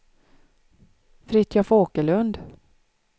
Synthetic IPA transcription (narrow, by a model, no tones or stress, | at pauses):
fɾɪt̪jafoːkəɭɵnd̪